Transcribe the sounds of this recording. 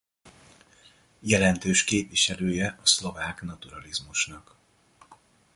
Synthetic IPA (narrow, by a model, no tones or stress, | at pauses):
jɛlɛnt̪øːʃkeːpliʃɛløːjɛɒslo̞vaːkn̪ɒt̪uɾɒlizmuʃnɒk